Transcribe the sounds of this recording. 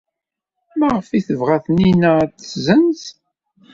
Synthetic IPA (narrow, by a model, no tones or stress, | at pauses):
mæʁəfiθəvʁæθninət͡sːzənz